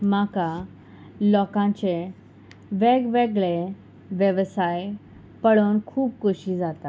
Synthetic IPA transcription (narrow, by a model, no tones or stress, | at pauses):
maka | lɔkãɲt͡ɕe | ʋeɡʋeɡɭe | ʋjeʋsaj | pəɭonkʰuːp̚kuɕid͡zat̪a